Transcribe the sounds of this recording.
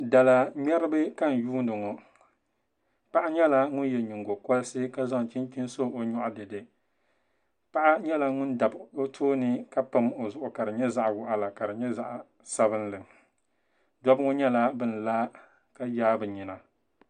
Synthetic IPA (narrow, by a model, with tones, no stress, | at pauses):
da˨la˨ɲɛ˦ɾɨ˦bɨ˦ka˦n˨juː˦n˦dɨ˨ŋɔ˨ | pa˦ʔa˦ɲɛ˦la˦ŋʊ˦n˦jɛ˨ɲi˨ŋɡo˨kɔ˦lsɨ˦ka˦za˦ŋ˨t͡ʃi˦n˦ki˦n˦so˦o˨ɲɔ˦ʔʊ˦dɨ˨dɨ˨ | pa˦ʔa˦ɲɛ˦la˦ŋʊ˦nda˨bo˦tʰoː˦nɨ˦ka˦pɨ˦mo˨zʊ˨ʔʊ˨ka˨ɾɨ˨ɲɛ˦za˦ʔwʊ˨ʔa˨la˨ka˨ɾɨ˨ɲɛ˦za˦ʔ | sa˦βɨ˦n˦lɨ˨ | dɔ˦bɨ˦ŋo˦ɲɛ˦la˦bɨ˦n˨laː˦ | ka˦jaː˦bɨ˨ɲi˨na˨